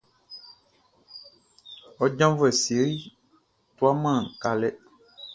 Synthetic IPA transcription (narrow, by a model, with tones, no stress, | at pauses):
ɔ˦d͡ʒã˦vɛ˨si˨˦ɾi˦ | t̪u˦a˦mã˦˨ŋ˨ka˨lɛ˦